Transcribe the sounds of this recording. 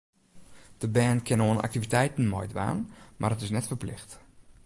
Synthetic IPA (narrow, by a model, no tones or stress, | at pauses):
d̥əbɛːnkʰɪnoəna̰k̚tivitɛjtən̩mɔ̰jdʋa̰ːnmarətɪsnɛtfərplɪxt